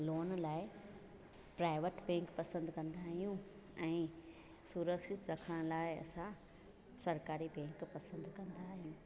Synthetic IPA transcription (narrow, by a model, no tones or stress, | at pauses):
loːnlaːɪ | pɾaːɪʋəʈbɛ̃ːŋkpɐsə̃nd̪ʱkɐ̃nd̪aːɦijũ | ɛ̃ː | suɾəkʃɪt̪ɾɐkʰəɽ̃laːɪɐ̰sã | sɐɾkaːɾibɛ̃ːŋkpɐsə̃nd̪kɐ̃nd̪aːɦijũ